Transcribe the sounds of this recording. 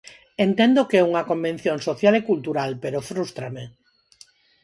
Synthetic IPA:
ent̪end̪okɛuŋakombẽn̟θjoŋsoθjalekult̪uɾalpeɾofɾust̪ɾame

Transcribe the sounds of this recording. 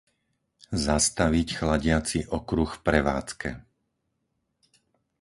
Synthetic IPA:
zast̪aʋicxlaɟɪat͡siʔɔkɾuxfpɾɛʋa̰ːt͡skɛ̰

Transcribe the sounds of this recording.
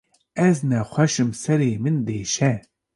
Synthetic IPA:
ɛznɛxʷɛʃɨmsɛɾeːmɨnd̪eːʃɛ

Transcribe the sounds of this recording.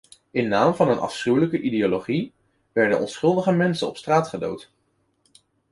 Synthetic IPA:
ɪnːaːmvɑnənɑ̰fsχywləkəʔideoloχi | ʋɛɹdə̰nʔɔnsχɵlˠdəχəmɛnsənɔ̰pstraːtχədo̰wt

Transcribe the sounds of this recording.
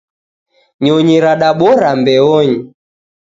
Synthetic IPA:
ɲɔɲiɾaɗaɓɔɾambɛɔɲi

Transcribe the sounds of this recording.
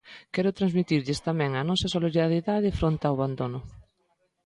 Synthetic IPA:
kɛɾʊt̪ɾanzmit̪iɾʎɪst̪amɛ̃ŋɐnɔsɐsoliɾiðaɾjiðaðɪfɾont̪awβand̪onʊ

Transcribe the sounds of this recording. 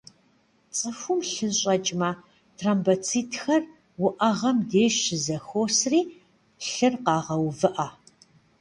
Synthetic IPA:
t͡sʼɨxʷumɬɨnɕʼɐt͡ʃʼmɐ | tʰraːmbɐt͡sʰiːtʰxɐr | wʊʔɐʁɐmdeːʃɪzɐxoːsriː | ɬɨrqɑːʁɐwvɨʔa

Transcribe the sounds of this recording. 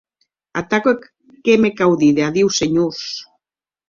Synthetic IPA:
a̰t̪ake | kemekawðiðeaðiwseɲos

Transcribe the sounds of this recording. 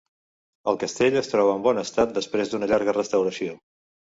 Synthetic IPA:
əlˠkəst̪eʎəst̪ɾɔβəːmbɔnəst̪at̪̚d̪əspɾezd̪unəʎaɾɣərəst̪əwɾəsio

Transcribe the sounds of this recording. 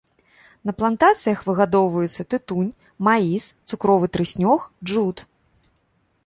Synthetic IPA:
nɐplˠant̪at̪sɨjɐxvɨɣad̪ɔwvɐjut̪sːɐt̪ɨt̪unʲ | maist̪sukɾɔvɨt̪ɾɨsʲnʲɔxʐut̪

